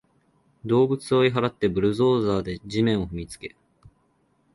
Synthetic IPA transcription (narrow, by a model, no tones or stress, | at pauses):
d̪o̞ːbɯ̟t͡sɨoiɦaɾat̪ːe̞bɯ̟ɾɯ̟zo̞ːzaːd̪e̞ʑimẽ̞ɰ̃o̞ɸɯ̟mʲit͡sɨ̥ke̞